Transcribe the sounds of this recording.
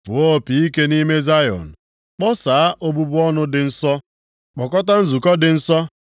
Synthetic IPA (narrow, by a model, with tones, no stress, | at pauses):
fʊ˨o˦˨pi˨i˦ke˦ni˦me˦za˦jɔ̰˨n̩˨ | k͡pɔ˦saː˨a˦ʔo˦bu˦bʊ˦ɔ˦nʊ˦dɪ˨n̩˦sɔ˦ | k͡pɔ˨kɔ˦t̬a˦n̩˦zu˨kɔ˦dɪ˨n̩˦sɔ˦